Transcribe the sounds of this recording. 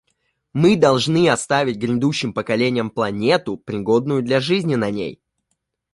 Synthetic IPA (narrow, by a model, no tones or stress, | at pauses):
mɨd̪ɐlˠʐnɨɐst̪avʲɪtʲɡɾʲɪnd̪uɕːɪmpəkɐlʲenʲɪjəmplˠɐnʲe̞t̪ʊpɾʲɪɡo̞d̪nʊjʊd̪lʲɐʐɨzʲnʲɪnɐnʲḛj